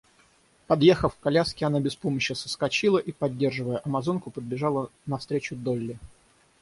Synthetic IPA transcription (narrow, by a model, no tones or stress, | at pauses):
pɐd̪jexəfkɐlʲaskʲɪɐnabʲɪspo̞məɕːəsə̥skɐt͡ɕilˠəʔipɐdʲːe̞rʐɨvəjəʔɐmɐzo̞nkʊpəd̪̚bʲɪʐɑlˠənɐfst̪ɾʲet͡ɕʊd̪olʲːɪ